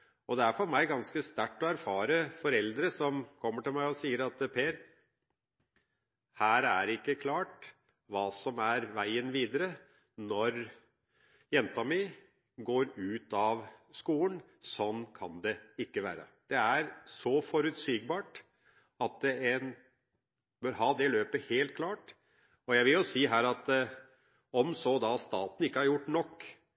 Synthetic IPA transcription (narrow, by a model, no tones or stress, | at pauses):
ɔd̪ɛæɾfɔɾmæɪɡɑnskəst̪æʈːɔæɾfɑːɾəfɔɾɛld̪ɾəsɔmkʰɔmːəʈɪlmæɪɔsiːəɾɑt̪pʰeːɾ | hæːɾæ̰ɾɪkːəkʰlɑːʈ | ʋɑːsɔmæɾʋæɪənʋiːd̪əɾə | nɔɾ | jɛnt̪əɑmɪ | ɡoːɾʉːt̪ɑʋskuːən | sɔnːkʰɑ̰nd̪ɛɪkːəʋæ̰ːɾə̰d̪̥ɛæɾsɔfɔɾʉt̪siːɡbɑːʈ | ɑt̪ɛn | bœɾɦɑːd̪ɛløːpəheːlt̪̚kʰlɑːʈ | ɔjæɪʋɪljʊsiːɦæːɾɑt̪ | ɔmsɔd̪ɑst̪ɑːt̪n̩ɪkːəhɑɾjʊʈːnɔkː